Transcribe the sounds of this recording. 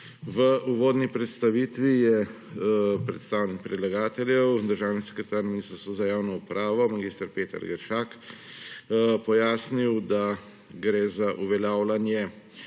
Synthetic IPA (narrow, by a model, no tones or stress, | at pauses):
ʋəʔuʋoːd̪nipɾɛt̪st̪aʋiːt̪ʋijɛ | pɾɛt̪st̪aːwnik̚pɾɛd̪laɡaːt̪ɛljɛwd̪əɾʒaːwnisɛ̥kɾɛt̪aːɾminiːst̪st̪ɔzajaːwnɔupɾaːʋɔmaɡist̪əɾpeːt̪ə̰ɾɡəɾʃaːk | pɔjaːsniwd̪a | ɡɾeːzaʔuʋɛljaːwlanjɛ